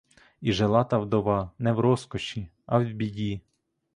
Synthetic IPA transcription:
iʒelˠɑt̪ɐwd̪ɔʋɑnɛwɾɔskɔʃi | ɐwbʲidʲi

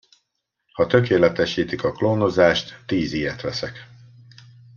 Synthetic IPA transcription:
hɒt̪ø̞keːlɛt̪ɛʃiːt̪ikɒkloːno̞zaːʃt̪ːiːziːɛt̪ʋɛsɛk

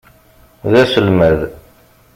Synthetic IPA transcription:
ðæsəlmæð

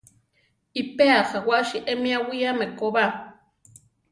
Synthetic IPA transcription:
ipeaχawaʔʃiʔemiawiamekoβa

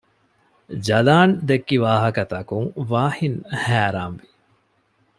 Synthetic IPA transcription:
d͡ʒɐlaːnd̪ekːiʋaːɦɐkɐt̪ɐkuŋʋaːhinhæːɾaːnʋi

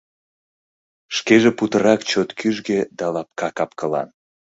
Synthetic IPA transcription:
ʃkeʒeput̪əɾɑkt͡ɕot̪kyʒɡed̪ɑlɑp̚kɑkɑp̚kəlɑ̰n

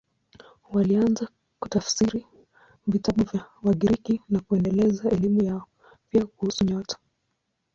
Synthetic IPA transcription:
walianza | ku̥tafsiɾi | vitaɓuvjawaɠiɾikinakuɛndɛlɛzaɛlimujaɔ | piakuhusuɲɔtḁ

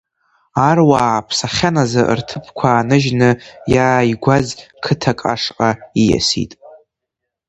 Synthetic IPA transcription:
arwaːpʰsaχʲanazaʔrtʰɨpʰkʷʰaːnɨʒnɨjaːiɡʷazkʰɨtʰakʼa̰ʂqʼaija̰sḭtʼ

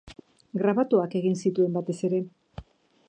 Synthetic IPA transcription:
ɡɾaβat̪uake̞ɣinsit̪ue̞mbat̪e̞se̞ɾe̞

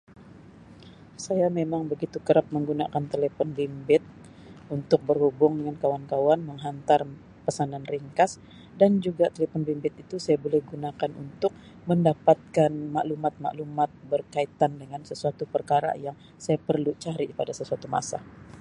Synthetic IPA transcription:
sajamemaŋbəɡit̪ukəɾap̚məŋɡuna̰kant̪elepɔnbimbɪt̪̚ | unt̪ʊk̚bərhubʊŋdəŋankawankawanməŋɦant̪ar | pəsananriŋkas | dand͡ʒuɡat̪elefɔnbimbɪt̪̚it̪usajabolɛhɡunakanṵnt̪ʊk̚ | məndapat̪̚kanmaʔlumat̪̚ma̰ʔlumat̪̚bərkait̪andəŋansəsuat̪upərkaɾa̰jaŋ | sajapərlut͡ʃaɾipadasəsuat̪uma̰sa̰

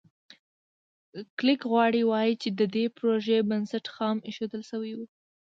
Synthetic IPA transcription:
klɪkɣwɑɽiwɑjit͡ʃed̪əd̪epɾoʒebansaʈxɑmeʃod̪əlʃəwiwu

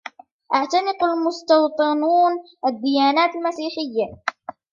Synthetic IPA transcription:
ʔaʕt̪anɪqalmʊst̪ɑwt̪ˤɨnuːn | ʔad̪ːɪjaːnaːt̪almasiːħɪjːa

